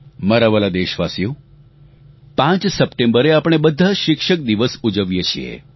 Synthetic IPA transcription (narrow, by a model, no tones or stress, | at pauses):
məɾaʋəlad̪eʃʋasijo | pãt͡ʃsəpʈembəɾeapɽ̃ebəd̪ʱːaʃɪkʃək̚d̪iʋəsud͡ʒəʋjet͡ʃʰiḛ